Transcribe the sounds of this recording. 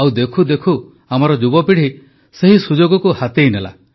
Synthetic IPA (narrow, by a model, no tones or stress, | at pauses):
awd̪ekʰud̪ekʰu | amɔɾɔd͡ʒubɔpiɽ̤i | seɦisud͡ʒoɡɔkuhat̪ejnela̰